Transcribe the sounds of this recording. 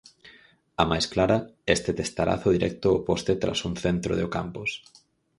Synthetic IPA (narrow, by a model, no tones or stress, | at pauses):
amajsklaɾɐest̪et̪est̪aɾa̰θʊðiɾɛk̚t̪ʊːpost̪et̪ɾa̰suŋθent̪ɾo̰ðeʊka̰mpʊs